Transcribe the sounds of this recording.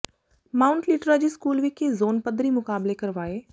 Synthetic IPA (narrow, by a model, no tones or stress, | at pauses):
maːʊɳʈlɪʈɾad͡ʑiskuːlʋikːezoːnpəd̪ɾimʊkaːblekɐɾʋaːeː